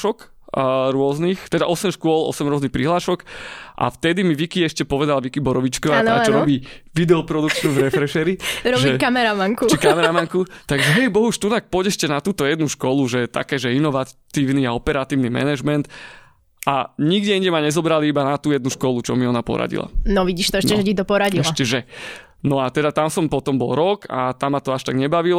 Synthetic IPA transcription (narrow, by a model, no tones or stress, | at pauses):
ʃɔkː | ɾʊɔznixt̪ɛd̪aʔɔsɛmʃkʊɔlɔ̰sɛmɾʊɔznixpɾiɦlaːʃɔkʔa̰ft̪ɛd̪imiʋikiɛʃcɛpɔʋɛd̪alʋikibɔɾɔʋit͡ʃkɔaaaːt͡ʃɔɾɔbiːʋid̪ɛɔpɾɔd̪ukt͡ʃnuvɾɛfɾɛʃɛɾiɾɔʒbiɛkamɛɾamaŋkut͡ʃikamɛɾamaŋkut̪aɡʒɛɦɛjbɔɦuʃt̪unak̚pɔɟɛʃcɛnat̪uːt̪ɔjɛd̪nuʃkɔluʒɛt̪a̰kɛːʒɛinɔʋat̪iːʊniaɔpɛɾat̪iːʊnimɛ̰nɛʒmɛnt̪ | ʔa̰ɲiɡdɛiɲɟɛmaɲɛzɔbɾaliibanat̪uːjɛd̪̚nuʃkɔlut͡ʃɔmiɔnapɔ̰ɾa̰ɟḭla̰nɔʋiɟiːʃt̪ɔɛʃcɛʒɛtit̪̬ɔpɔɾaɟiɛʃacɛʒɛ | nɔat̪ɛd̪at̪amsɔmpɔt̪ɔmbɔlˠɾɔka̰t̪amːat̪ɔaʃt̪aɡɲɛbaʋil